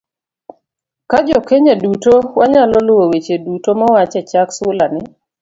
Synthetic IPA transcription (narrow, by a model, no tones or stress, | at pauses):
kad͡ʒɔkeɲedutowaɲalɔlʊwowet͡ʃedutomɔwat͡ʃɛt͡ʃaksʊlanɪ